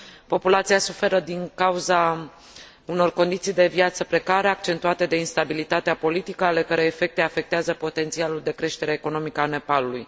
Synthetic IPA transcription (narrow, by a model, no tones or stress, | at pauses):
po̞pulat̪siasufe̞ɾəd̪iŋkauza | uno̞rko̞nd̪it̪sijd̪e̞vjat̪səpɾe̞kaɾeak̚t͡ʃe̞nt̪uat̪e̞d̪e̞inst̪abilit̪at̪eapo̞lit̪ikəale̞kaɾe̞ːfe̞k̚t̪e̞afe̞k̚t̪eazəpo̞t̪e̞nt̪sialuld̪e̞kɾe̞ʃt̪e̞ɾeeko̞no̞mikəane̞paluluj